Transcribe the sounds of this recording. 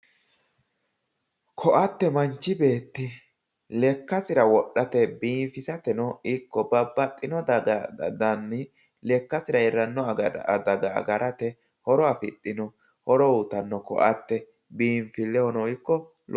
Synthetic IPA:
kʰɔʔɐt̪ːɛmɐnt͡ʃːɪbe̞ːt̪ːɪ | lɛkːɐsɪɾɐwɔɗːɐt̪ɛbiːnfɪsɐt̪ɛnɔɪkːɔbɐbːɐt̪ʼːɪnɔd̪d̪ɐnːɪ | lɛkːɐsɪɾɐɛɾɐnːɔd̪ɐɡɐ̰ːɡɐɾʔɐt̪ɛ | hɔɾɔɐfɪɗʼːɪnɔ | hɔɾɔut̪ɐnːɔkɔ̰ʔɐt̪ːɛ | biːɱfɪlɛɔnɔɪkːɔ | l

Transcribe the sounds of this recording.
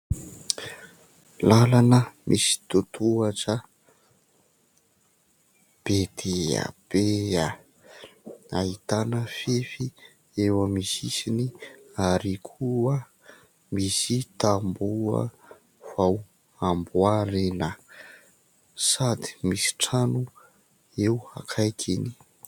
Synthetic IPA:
lalanəmʔisi̥t̪ut̪ʰuaʈ͡ʂə | b̥ed̪ea̰b̥ea | ait̪anəfefi | ewəmisisiniaɾikʰuə | misit̪ambuə̰ | v̥aw | ambuaɾenə | sad̪i̥misi̥ʈ͡ʂanu | ewa̰kʰajkʰini̥

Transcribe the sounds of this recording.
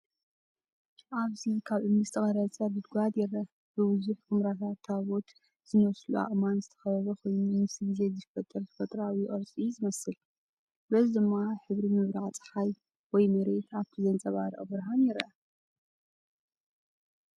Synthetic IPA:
ʔaβzikʰaβʔɨmɨzt̪ʰʼɨχʼɐɾɐt͡sʼɐbɨd̪̚ɡʷad̪jɛɾɐ | bɨbɨzuħkɨmɾat̪ʰat̪ʰːaβo̞t̪ | z̥ɨnɐslua̰χʼmanzɨt̪ʰɐ̥xɐβɐβɐkʰo̞jnumɨsiɡɨze̞zɨfɐt̪ʼːɐɾt̪ʰɐ̥fɐt̪ʼɾawijɪχʼɐɾt͡sʼizɨmɐsɨl | lɐzid̪ɨmːaħɨβɾimɨβɾaʕt͡sʼɨ̥ħaj | wɔjmɐɾe̞t̪ʰaβt̪ʰizɐnt͡sʼɐβaɾʔʼɐbɨɾɦanjɛɾʔɐ

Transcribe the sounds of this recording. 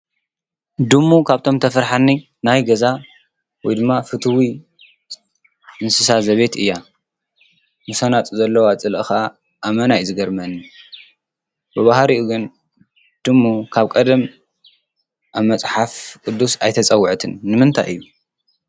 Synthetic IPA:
d̪ɨmːukʰaβt̪ʰo̞mt̪ʰɐfɐɾħanːi | najɡɐza | wɔjd̪ɨmːafɨt̪ʰɨwi | ʔɨnsɨsazɐβe̞t̪ɨjːa | musɐnat̪ʼzɐlːɐwat͡sʼɨlʔɨxʔa | ʔːmɐnajzɨɡɐɾmɐnːi | bɨβahɾiʔuɡɨn | d̪̥ɨmːukʰaβkʼɐd̪ɐm | ʔaβmɐt͡sʼħafkʼɨd̪ːusajt̪ʰɐt͡sʼɐwːɨʕt̪ʰɨnːɨmɨnt̪ʰa̰jʔɨ̰jːu

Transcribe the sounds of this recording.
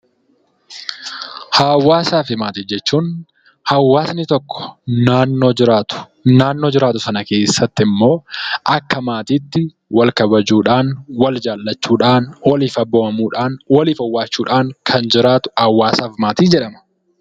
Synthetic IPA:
haːwːaːsaːfɪmaːt̪ɪd͡ʒɛt͡ʃːuːn | hɐwːaːsnɪt̪ɔkːɔ̥naːnːo̞ːd͡ʒɪɾaːt̪ʊ̥ | naːnːo̞ːd͡ʒɪɾaːt̪ʊsɐnɐke̞ːsːɐt̪ːɪmːo̞ːʔɐkːɐmaːt̪iːt̪ːɪ | wɐlkɐbɐd͡ʒuːᶑaːnwɐld͡ʒaːlːɐt͡ʃːuːᶑaːnwɐliːfɐbːoːmɐmuːᶑaːnwɐliːfɐwːaːt͡ʃːuːᶑaːŋkʰɐnd͡ʒɪɾaːt̪ʊ̥hɐwːaːsaːfmaːt̪iːnd͡ʒɛᶑɐmɐ̥

